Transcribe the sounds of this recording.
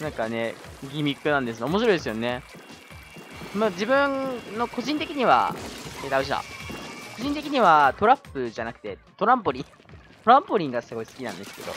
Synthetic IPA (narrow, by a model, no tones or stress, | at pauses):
nãŋkane̞ɡʲimʲikːɯ̟nãnd̪esɨnomo̞ɕ̬iɾo̞id̪e̞sɨjone̞ | mad͡ʑibɯ̟̃ŋnːo̞ko̞ʑĩnt̪e̞kʲiɲ̟iβa̰ed̪aɯ̟ɕ̬ia̰ko̞ʑĩnt̪e̞kʲiɲ̟iβat̪o̞ɾapːɯ̟ʑanakɯ̟̥t̪e̞t̪o̞ɾãmpoɾʲĩ | t̪o̞ɾãmpoɾʲĩŋɡasɨɡo̞isɨ̥kʲinã̰nd̪e̞sɨ̥ke̞d̪o̞̰